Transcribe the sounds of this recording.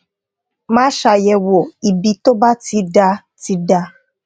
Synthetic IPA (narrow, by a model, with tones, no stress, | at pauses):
mã˦ʃa˧jɛ˨wo˨i˨bi˧to˦ba˦ti˧da˧ | ti˧˦da˧